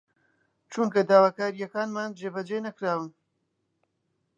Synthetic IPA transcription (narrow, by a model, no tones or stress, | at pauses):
t͡ʃuŋkɐd̪aːwaːkaːɾijɐkaːnmaːnd͡ʒeːbɐd͡ʒenɐkɾaːwɨn